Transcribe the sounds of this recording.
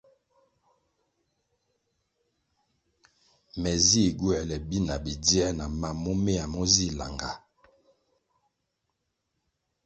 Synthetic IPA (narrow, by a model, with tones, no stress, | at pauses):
mɛ˨zi˦˨ɡwɛ˨lɛ˨bi˦na˨bi˨di˦ɛ˦na˨ma˨mɔ˦me˦a˨mɔ˦zi˦˨la̰˨ŋɡa˨